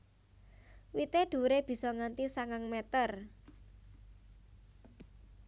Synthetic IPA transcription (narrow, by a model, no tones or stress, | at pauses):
wit̪eɖ̪̥ṳɾeb̥i̤sɔŋant̪isaŋaŋmɛt̪ər